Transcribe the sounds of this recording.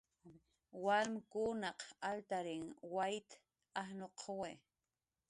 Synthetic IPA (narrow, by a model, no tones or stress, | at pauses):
walmkunɑqalt̪aɾɪŋwajt̪ | ahnoqʰowe